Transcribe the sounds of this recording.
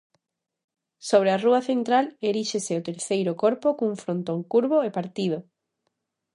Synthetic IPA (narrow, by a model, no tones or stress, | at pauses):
soβɾearuɐθent̪ɾaleɾiʃeseʊt̪eɾθejɾʊkoɾpokouŋfɾont̪oŋkuɾβoepaɾt̪iðʊ